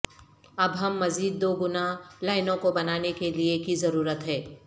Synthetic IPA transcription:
ɐbɦɐmːɐziːd̪̚ːoːɡʊnalaːɪnõkobɐnaːnekeliekizɐɾuːɾət̪ɦɛ̃ː

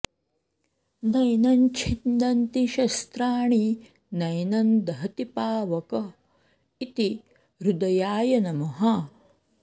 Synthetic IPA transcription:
nɐjnɐnt͡ʃʰind̪ɐnt̪iʃɐst̪ɾaːɳi | nɐjnɐnd̪ɐɦɐt̪ipaːʋɐkɐ | it̪i | ɾud̪ɐjaːjɐnɐmɐɦɐ

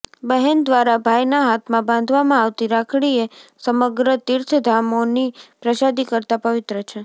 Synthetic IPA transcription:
bəɦɛnd̪ʋaɾabʱajnaɦat̪ʰmãbãnd̪ʱʋamãaʋt̪iɾakʰɽiesəməɡɾət̪iɾt̪ʰəd̪ʱamonipɾəʃad̪ikəɾt̪apəʋɪt̪ɾət͡ʃʰe

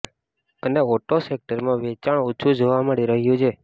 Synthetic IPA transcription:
əneoʈosek̚ʈəɾmãʋet͡ʃaɳutːt͡ʃʰud͡ʒoʋaməɽiɾəɦjũt͡ʃʰe

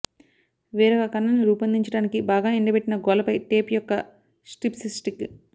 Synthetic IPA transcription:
ʋɛːɾɐɡakɐnːɐnːiɾuːpɐnd̪iɲt͡ʃɐɽaːnikibaːɡaːeɳɖɐpeʈːinɐɡɔːlɐpɐjʈeːpjɔkːɐ | sʈipsisʈik

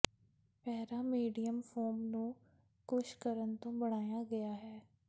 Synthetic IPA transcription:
pɛːɾaːmiːɖijəmfʰoːmnũː | kʊʃkəɾənt̪õːbəɽ̃aːjaːɡəjaːɦɛː

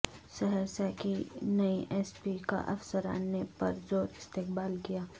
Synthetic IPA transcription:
ʃɐɦɛɾsakinɐiʔɛːspika̰ʔɐfsəɾa̰ːnːepɐ̰ɾzoːɾɪst̪eːqbaːlkijaː

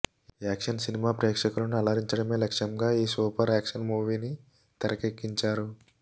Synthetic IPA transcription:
aːkʂɐnsinimaːpɾeːkʂɐkulɐnuɐlɐɾiɲt͡ʃɐɽɐme̞ːlɐkʂɐmɡaːiːsuːpɐɾaːkʂɐnmuːʋiːni | t̪ɐɾɐkekːiɲt͡ʃaːɾu

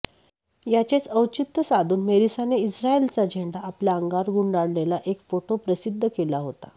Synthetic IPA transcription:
jat͡ɕet͡səwt͡ɕit̪ːəsad̪ʱuːnmeɾisaneisɾaelt͡sad͡ʑʱeɳɖaːpljaəŋɡaɾɡuɳɖaɽlelaʔekfoʈopɾəsid̪ʱːəkelaɦot̪a̰

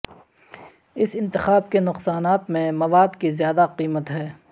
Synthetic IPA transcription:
ɪsɪ̃nt̪ɪxaːbkenʊqsaːnaːt̪mẽmɐʋaːd̪kizjaːd̪aqiːmət̪ɦɛː

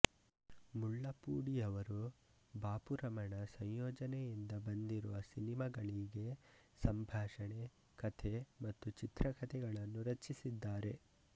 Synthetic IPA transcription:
muɭːɐpuːɽijɐʋɐɾu | baːpuɾɐmɐɳɐsɐɲjoːd͡ʒɐnɛjind̪ɐbɐnd̪iɾuʋɐsinimɐɡɐɭiɡe̞ | sɐmbʱaːʂɐɳe̞ | kɐt̪ʰemɐt̪ːut͡ʃit̪ɾɐkɐt̪ʰɛɡɐɭɐnːuɾɐt͡ʃːisid̪ːaːɾe̞

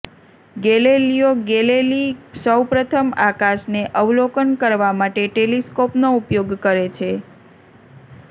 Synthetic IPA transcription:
ɡelelijoɡelelisəwpɾət̪ʰəmakaʃneʔəʋlokənkəɾʋamaʈeʈeliskopnoupjoɡkəɾet͡ʃʰe

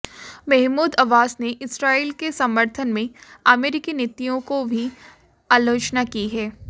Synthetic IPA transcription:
mɛɦmuːd̪ɐʋaːsneʔɪsɾaːiːlkesɐ̃mːəɾt̪ʰənmẽaːmeːɾɪkinɪt̪ːijõkobʱi | aːloːt͡ʃnakiɦɛː

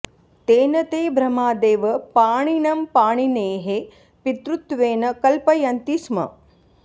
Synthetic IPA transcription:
t̪eːnɐt̪eːbɾɐmaːd̪eːʋɐpaːɳinɐmpaːɳineːɦe | pit̪ɾut̪ʋeːnɐkɐlpɐjɐnt̪ismɐ̰

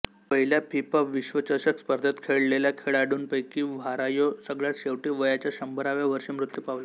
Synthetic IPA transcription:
pəɦiljapipaʋiɕʋət͡ɕəɾɕəkspəɾd̪ʱət̪kʰeɭleljakʰeɭaɽuːnpəjkiːʋʱaɾajosəɡɭjat̪ɕeʋʈiːʋəjat͡ɕjaɕəmbəɾaʋjaʋəɾʂimɾut̪jupaʋla

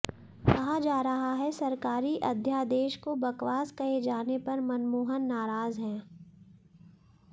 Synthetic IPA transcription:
kɐɦad͡ʒaːɾɐɦaɦɛsɐɾkaːɾiʔɐd̪ʱjaːd̪eːʃkobɐkʋaːskɐed͡ʒaːnepɐɾmɐnmuːɦənːaːɾaːzɦɛ̃ː

